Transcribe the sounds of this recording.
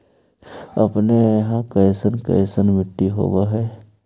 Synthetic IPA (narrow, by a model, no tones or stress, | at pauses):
ɐpneɦãkəɪsənkə̰jɪsənmɪʈːiɦo̰ːwaɦɛː